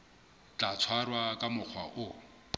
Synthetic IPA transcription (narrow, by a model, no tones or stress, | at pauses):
t͡ɬʼat͡sʰwarwakʼamʊq͡χʰwa̰ʔʊ